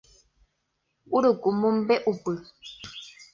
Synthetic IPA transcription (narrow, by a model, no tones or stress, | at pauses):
uɾukumumbɛʔupə